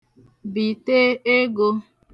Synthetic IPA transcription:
bi˨teː˦e˦ɡo˧

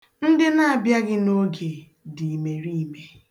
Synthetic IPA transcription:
n̩˦dɪ˦na˦˨a˨bja˦ɡɪ˦no˦ɡe˨ | di˨i˨me˨ɾi˦˨me˨

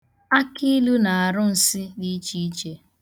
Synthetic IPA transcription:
a˦ki˦lu˦na˨a˨ɾʊ˦n̩˨sɪ˦ni˦t͡ʃi˦t͡ʃe˦

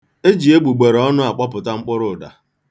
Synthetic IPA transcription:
e˦d͡ʒi˨e˦ɡ͡bu˨ɡ͡be˨ɾɔ˦nʊ˦a˨k͡pɔ˦pʊ˨ta˦ŋ͡m̩˦k͡pʊ˦ɾʊ˨da̰˨

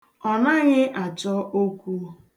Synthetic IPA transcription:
ɔ˨na˦ɣɪ˦ʔa˨t͡ʃɔ˦ʔo˦kʷu˦

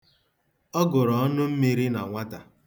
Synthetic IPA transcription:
ɔ˦ɡʊ˨ɾɔ˨ɔ˦nʊ˦m̩˦mi˦ɾi˦na̰˨ŋʷa˦ta˨

